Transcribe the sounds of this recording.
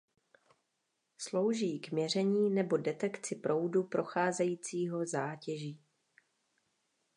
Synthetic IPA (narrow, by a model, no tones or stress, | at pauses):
slo̞wʒiːɡmɲɛr̝ɛɲiːnɛbo̞dɛt̪ɛkt͡sɪpɾʔo̞wdupɾʔo̞xaːzɛjiːt͡siːɦo̞zaːcɛʒiː